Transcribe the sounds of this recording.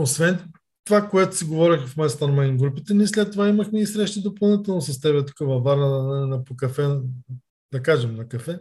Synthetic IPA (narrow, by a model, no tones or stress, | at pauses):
osvɛn | t̪ovakoɛt̪ʊ̥siɡovɔɾixfmɛst̪onɐmajnɡɾupit̪ɛniɛs̬lɛt̪ːovaimɐxmɛisɾɛʃt̪id̪opɐlˠnit̪ɛlˠnosɐst̪ɛβɛt̪u̥kəvɐvaɾnənnɐpokɐfɛ | d̪ɐkaʒɛmnɐkɐfɛ